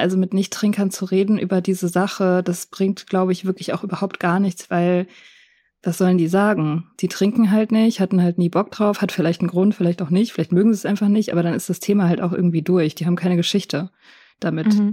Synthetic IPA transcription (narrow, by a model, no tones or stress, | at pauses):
ʔalzomɪtnɪçtʁ̥ɪŋkɐnt͡suʁeːdn̩ʔy̰ːbɐdiːzəzaχəd̥asb̥ʁɪŋk̚tɡ̥laʊbəɪçv̥ɪɐkʰlɪçaʊxʔyːbɐhaʊp̚t̚ɡ̥aːɐnɪçt͡sv̥aɪl | v̥asz̥ɔləndiːzaːɡŋ̩z̥iːtʁ̥ɪŋkŋ̩ɦaltnɪçthatn̩haltniːbɔk̚d̥ʁaʊfhatfɪlaɪçtn̩ɡʁʊntfɪlaɪçtaʊxnɪçtfɪlaɪçtmøːɡŋ̩ziːɛsʔaɪnfaχnɪçtʔaːbɐɾanɪstd̥astʰeːmahaltʔa̰ʊxʔɪ̰ɐɡŋ̩tv̥iːdʊɐçd̥iːaːm̩kʰaɪnəɡəʃɪçtʰə | d̥amɪt